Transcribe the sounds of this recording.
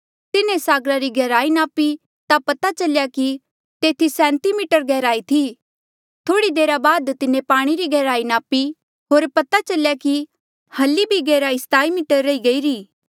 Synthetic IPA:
t̪ɪnẽsaːɡɾaɾiɡɛːɾaːinaːpi | t̪apɐt̪at͡ʃɐljaki | t̪eːt̪ʰisɛ̃ːnt̪imɪːʈəɾɡɛːɾaːit̪ʰi | t̪ʰoːɽid̪eːɾabaːd̪t̪ɪnẽpaːɽ̃iɾiɡɛːɾaːinaːpi | ɦoːɾpɐt̪at͡ʃɐljaki | hɐlːibʱiɡɛːɾaːist̪aːimɪːʈəɾːɐiɡɐiːɾiː

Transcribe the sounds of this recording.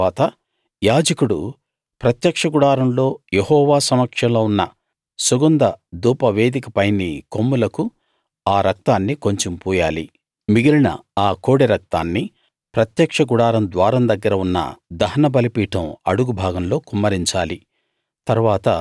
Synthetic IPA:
aːt̪ɐ | jaːd͡ʒɐkuɽu | pɾɐt̪jɐkʂɐɡuɽaːɾɐmlo̞ːjehɔːʋaːsɐmɐkʂɐmloːunːɐ | suɡund̪ɐd̪uːpɐʋe̞ːd̪ikɐpɐjnikomːulɐku | aːɾɐk̚t̪aːnːiko̞ɲt͡ʃompuːjaːli | miɡilinɐ̰aːko̞ːɽiɾɐk̚t̪a̰ːnːi | pɾɐt̪jɐkʂɐɡuɽaːɾɐmd̪ʋaːɾɐmd̪ɐɡːɐɾɐunːɐ̰d̪ɐɦɐnɐbɐlipiːʈɐmɐɽuɡubʱaːɡɐmlo̞ːkumːɐɾiɲt͡ʃaːli | t̪ɐɾuʋaːt̪ɐ

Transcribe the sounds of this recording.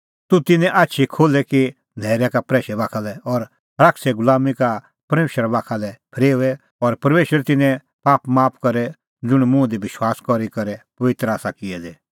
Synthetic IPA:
t̪ut̪ɪnɛ̃ʔaːtːʃʰikʰoːlɛki | nɛːɾjakapɾɛːʃɛbaːkʰalɛɔɾ | ɾaksɛɡʊlaːmika | pɐɾmeːʃəɾabaːkʰalɛpʰɾeːuɛ | ɔɾpɐɾmeːʃəɾt̪ɪnɛ̃ | paːpmaːp̚ʰkɐɾɛ | d͡zʊɽ̃mʊ̃d̪ibɪʃwaːskɔɾikɐɾɛpɐʋɪt̪ɾəaːsakɪɛd̪ɛ

